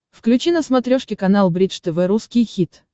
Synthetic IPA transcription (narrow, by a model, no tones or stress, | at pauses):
fklʲʉt͡ɕinəsmɐt̪ɾʲoʂkʲɪkɐnalˠbɾʲit̪ʂt̪ɛvɛɾuskʲɪjxʲit̪